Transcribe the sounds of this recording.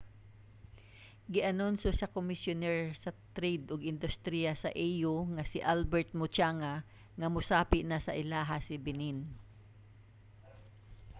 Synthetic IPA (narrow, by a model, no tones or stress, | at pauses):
ɡɪʔɐnʊnsosɐkʊmɪsjʊnɛɹsɐt̪ɾed̪ʔʊɡɪnd̪ʊst̪ɾijasɐʔɛjʊŋɐsɪʔalbɛɹt̪̚mʊt͡ʃaŋa | ŋɐmʊsaːpɪʔnasɐʔɪlaːɦasɪbɪnin